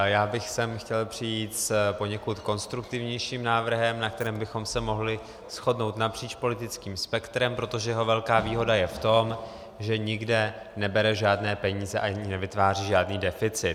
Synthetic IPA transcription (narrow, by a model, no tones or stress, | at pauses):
jaːbɪxsɛmxcɛlpr̝̥ɪjiːt̪spo̞ɲɛkut̪ko̞nst̪ɾukt̪ɪvɲɛjʃiːmnaːvr̩ɦɛmnak̚t̪ɛɾɛːmbɪxo̞msɛmo̞ɦlɪ | sxo̞dno̞wt̪napr̝̥iːt͡ʃpo̞lɪt̪ɪt͡skiːmspɛkt̪ɾɛmpɾo̞t̪oʒɛjɛɦo̞vɛlkaːviːɦo̞dajɛft̪o̞m | ʒɛɲɪɡdɛ | nɛbɛɾɛʒaːdnɛːpɛɲiːzɛʔaɲɪnɛvɪt̪vaːr̝iːʒaːdniːdɛfɪt͡sɪt̪